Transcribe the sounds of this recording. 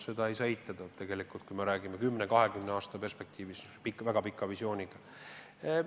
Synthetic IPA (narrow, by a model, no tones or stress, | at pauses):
se̞d̪ɑejsɑejt̪ːˑɑd̪̥ɑtt̪ːe̞ɡ̥e̞likːˑult̪̚kujmeɾæːɡimekymːnekɑɦe̞ɡymneɑːst̪ɑpe̞rspe̞k̚t̪ʰiːvispikːvæɡ̥ɑpikːˑɑvisjo̞ːnʲiɡ̥ɑ